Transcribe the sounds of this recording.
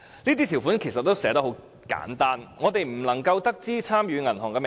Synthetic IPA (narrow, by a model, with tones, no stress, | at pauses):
niː˥t̪̬iː˥t̪ʰiː˨˩wfuː˨˥nkʰe˨˩sɐ˨t̚t̪ːo˥wsɛː˨˥t̪ɐ˥ɦo˨˥w | ka̰ː˨˥nt̪aː˥nŋɔː˨˧t̪e˨jm̩˨˩lɐ˨˩ŋkɐ˧wt̪ɐ˥k̚t͡siː˥t͡sʰaː˥mjyː˨˧ŋɐ˨˩nɦɔ˨˩ŋkɛː˧m˨